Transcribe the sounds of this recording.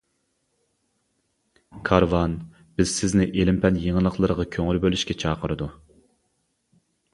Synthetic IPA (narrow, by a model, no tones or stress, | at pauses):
kʰɑɾvɑn | b̥ɪz̥sɪznɪʔelɪmpʰɛnjeŋəlˠəqʰlˠəɾəʁɑkʲʰøŋylbølyʃkʲɛt͡ʃʰɑːqʰəɾɨd̪u